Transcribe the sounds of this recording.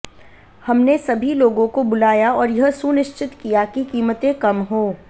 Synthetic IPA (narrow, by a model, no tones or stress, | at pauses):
hɐmnesɐbʱiloːɡõkobʊlaːjaɔːɾjɐɦsunɪʃt͡ʃɪt̪kijakikiːmət̪ẽkɐmɦoː